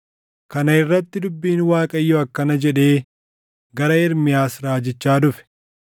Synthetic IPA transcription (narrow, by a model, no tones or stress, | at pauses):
kɐnɐɪrːɐt̪ːɪd̪ʊbːiːnwaːkʼɐjːɔɐkːɐnɐd͡ʒɛᶑe̞ː | ɡɐɾɐɪɾmɪjaːsɾaːd͡ʒɪt͡ʃːaːd̪ʊfɛ̥